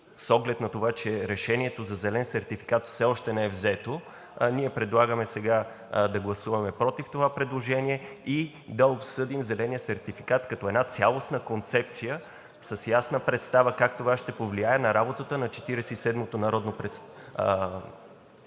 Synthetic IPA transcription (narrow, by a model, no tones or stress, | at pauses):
sɔɡlɛt̪nɐt̪ovat͡ʃɛɾɛʃɛniɛt̪ozɐzɛlɛnsɛɾt̪ifi̥kat̪fsɛɔʃt̪ɛnɛɛvzɛt̪o | niɛpɾɛd̪lˠaɡəmɛsɛɡa | d̪ɐɡlˠɐsuvɐmɛpɾɔt̪ift̪ovapɾɛd̪lˠoʒɛniɛi | d̪ɐopsɤd̪imzɛlɛnijəsɛɾt̪ifikat̪kɐt̪ɔɛd̪nat̪sʲjalˠosnəkont̪sɛp̚t̪sijə | səsjasnəpɾɛt̪st̪avəkak̚t̪ovaʃt̪ɛpovliaɛnɐɾabot̪ət̪ənɐt͡ʃɛ̥t̪iɾɛsɛisɛd̪mot̪onɐɾɔd̪nopɾɛt̪s